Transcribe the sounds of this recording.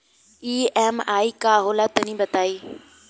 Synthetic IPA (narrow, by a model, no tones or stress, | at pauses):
iːɛːmaːiːkaːɦoːlaːt̪ənĩːbət̪aːiː